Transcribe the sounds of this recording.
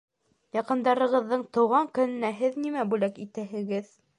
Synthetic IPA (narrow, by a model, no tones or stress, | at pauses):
jɑqɤ̆nd̪ɑɾɤ̆ʁɤ̆ðːɤɴt̪ŏwʁɑŋkɵ̆nɘ̆næɦɘðnimæbʉlækit̪æɦɘ̆ɡɘð